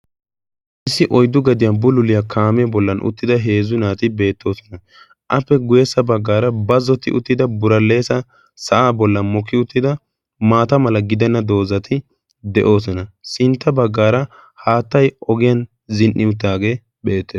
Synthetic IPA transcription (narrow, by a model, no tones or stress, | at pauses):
ʔɪsːɪʔɔjd̪ːʊɡɐd̪ɪjɐnbʊlʊlɪjɐkʰaːmɛbɔlːɐnʔʊ̰t̪ːɪd̪ɐɦe̞ːzʊnaːt̪ɪbe̞ːt̪ːo̞ːsɔ̥nɐ | ʔɐpːɛɡʊjɛsːɐbɐɡːaːɾɐbɐzɔt̪ːɪ̰ʔʊt̪ːɪd̪ɐbʊɾɐlːe̞ːsɐ | sɐʔaːbɔlːɐnmɔkːɪʊt̪ːɪd̪ɐ | maːt̪ɐmɐlɐɡɪd̪ɛnːɐd̪o̞ːzɐt̪ʰɪ | d̪ɛʔo̞ːsɔnɐsɪnt̪ːɐbɐɡːaːɾɐ | haːt̪ːɐjʔɔɡɪjɐn | zɪnʔːɪʊt̪̬ːaːɡe̞ː | be̞ːt̪ːeː